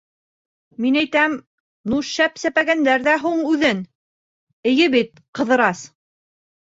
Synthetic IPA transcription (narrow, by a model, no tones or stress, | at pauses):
minæjt̪æm | nuʃæpsæpæɡænd̪æɾðæɦuɴʉðɘn | ɘ̆jɘβit̪̚ | qɤ̆ðɤ̆ɾɑs